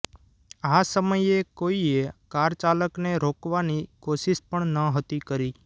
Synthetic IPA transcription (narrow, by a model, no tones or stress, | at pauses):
asəməjekoiekaɾt͡ʃaləkneɾokʋanikoʃiʃpəɳnəɦət̪ikəɾi